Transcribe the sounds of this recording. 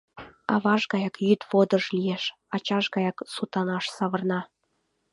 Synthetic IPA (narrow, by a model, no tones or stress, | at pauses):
ɑ̰βɑʒɣɑjɑkjyt̪βod̪əʃlijeʃ | ɑt͡ɕɑʃɣɑjɑksut̪ɑnɑʃsɑβɤ̆rnɑ